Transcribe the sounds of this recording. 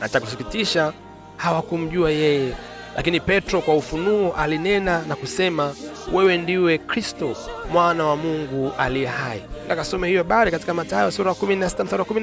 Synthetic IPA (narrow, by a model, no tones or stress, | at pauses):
nat͡ʃakusikitiʃa | hawakum̩ʄuajɛjɛ | lʔakinipɛtɾɔkwaufunuɔʔalinɛnanakusɛmawɛwɛndiwɛkɾistɔmwanawamuŋɡualiɛhaḭnakasɔmɛhijɔɓaɾɛkati̥kamatajɔsuɾajkuminasi̥tam̩suɾakumin